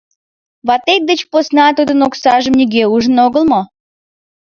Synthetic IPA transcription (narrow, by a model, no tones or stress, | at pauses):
βɑt̪ek̚d̪ət͡ɕposnɑt̪ud̪ənoksɑʒəmnʲiɣeuʒənoɣəlmo